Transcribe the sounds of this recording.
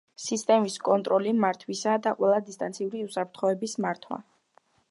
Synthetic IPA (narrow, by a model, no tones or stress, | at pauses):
sist̪ʼɛmiskʼɔnt̪ʼɾɔlimaɾt̪ʰwisad̪aqʼwɛlˠad̪ist̪ʼant̪sʰiuɾiusapʰɾt̪ʰχɔɛbismaɾt̪ʰwa̰